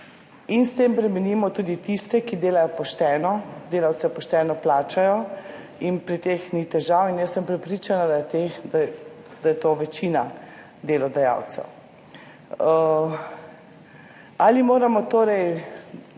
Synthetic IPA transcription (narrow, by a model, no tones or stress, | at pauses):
inst̪eːmpɾɛmɛniːmɔt̪uːd̪it̪ist̪ɛkid̪eːlajɔpɔʃt̪ɛːnɔd̪eːlawt̪sɛpɔʃt̪ɛːnɔplaːt͡ʃajɔ | inpɾit̪eːxnit̪ɛʒawinjəsːəmpɾɛpɾit͡ʃanad̪ajɛt̪exd̪a | d̪ajɛt̪oːʋɛt͡ʃiːna | d̪eːlɔd̪aja̰wt̪sɛ̰w | aːlimoːɾamɔt̪oːɾɛj